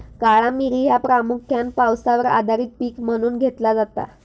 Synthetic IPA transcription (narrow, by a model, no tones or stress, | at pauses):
kaɭamiɾiːɦjapɾamukʰjanpawsaʋəɾa̰d̪ʱaɾiːt̪̚piːkm̤əɽ̃uːnɡʱet̪lad͡zat̪a̰